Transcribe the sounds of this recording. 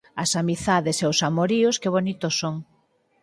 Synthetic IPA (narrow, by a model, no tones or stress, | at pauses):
ɐsamiθaðeseosamoɾiʊskɪβ̞onit̪ʊsːoŋ